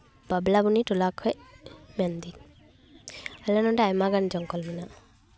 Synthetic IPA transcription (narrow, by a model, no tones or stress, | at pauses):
b̥ablabunitulakʰɔjmendi | alanɔdaajmaɡand͡ʒɔŋkɔlmina